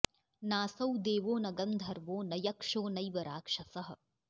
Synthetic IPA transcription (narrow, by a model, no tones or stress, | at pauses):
naːsɐwd̪eːʋoːnɐɡɐmd̪ʱɐɾʋoːnɐjɐkʂoːnɐjʋɐɾaːkʂɐsɐɦɐ̆